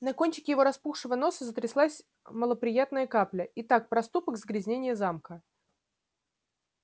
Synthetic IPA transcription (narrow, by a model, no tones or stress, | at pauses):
nɐko̞nʲt͡ɕɪ̥kʲɪjɪvo̞ɾɐspuxʂɨvəno̞səzət̪ɾʲɪslˠasʲ | məlˠəpɾʲɪjat̪nəjəkaplʲəɪt̪ak̚pɾɐst̪upəɡzɡɾʲɪzʲnʲenʲɪjəzamkə